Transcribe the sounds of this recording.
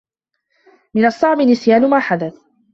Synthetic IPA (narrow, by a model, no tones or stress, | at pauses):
mɪnɑsˤːɑʕmɪnɪsjaːnʊmaːħad̪aθ